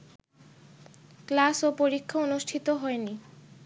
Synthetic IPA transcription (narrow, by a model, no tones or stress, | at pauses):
klasopoɾikʰːaonuʃʈʰit̪oɦɔeni